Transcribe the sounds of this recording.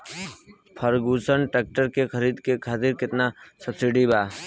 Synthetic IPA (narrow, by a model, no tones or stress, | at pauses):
pʰəɾɡuːsənʈɛːk̚ʈəɾkexʰəɾiːd̪kekʰaːt̪iɾkɪt̪nasɐbsɪɖibaː